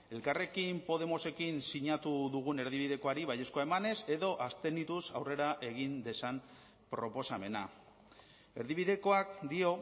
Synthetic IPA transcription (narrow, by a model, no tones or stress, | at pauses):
e̞lkare̞kimpo̞ð̞e̞mo̞se̞kinsiɲat̪uðuɣ̞une̞ɾðiβiðe̞ko̞aɾiβaje̞skoaemane̞se̞ðo̞ʔast̪e̞nit̪usawre̞ɾaʔe̞ɣ̞ind̪e̞san | pɾo̞po̞same̞na | e̞ɾðiβ̞iðe̞ko̞akd̪io̞